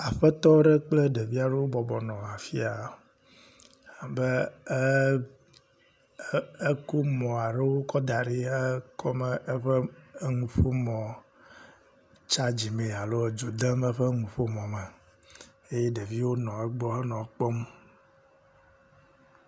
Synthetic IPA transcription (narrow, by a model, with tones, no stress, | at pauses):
a˨ɸɛ˦t̪ɔ˦ɖɛ˦k͡plɛ˦ɖe˨vi˦a˨ɖɛ˦wo˦bɔ˨bɔ˨nɔ̃˨a˨fi˦a˨ | a˨bɛ˦ | e˦ko˦mɔ̃˨a˨ɖe˦wo˦kɔ˦d̪a˨ɖi˦ɛ˦kʰɔ˦mɛ˦ʔe˦ɸɛ˦ŋũ˨ɸo˦mɔ̃˨ | t͡ʃa˦d͡ʑi˨me˨a˨lo˦˨d͡ʒo˨d̪ɛ˦mɛ˦ɸɛ˦ŋũ˨ɸo˦mɔ̃˨mɛ˨ | e˦je˦ɖe˨vi˦wo˦nɔ̃˨ɛ˦ɡ͡bɔ˦ɦɛ˦nɔ̃˨˦k͡pɔ˦m˦